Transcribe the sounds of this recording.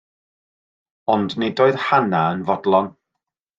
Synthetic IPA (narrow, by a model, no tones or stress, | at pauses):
ɔndnedoːɨðhanaənvɔdlˠɔn